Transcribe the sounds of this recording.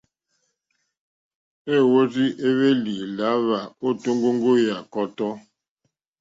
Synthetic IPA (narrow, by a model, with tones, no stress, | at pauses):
e˦˨wo˦zi˦ʔe˦βe˦li˨la˨˦βa˨o˦˨to˦ŋɡo˦ŋ˦ɡo˦ja˨kɔ˦tɔ˦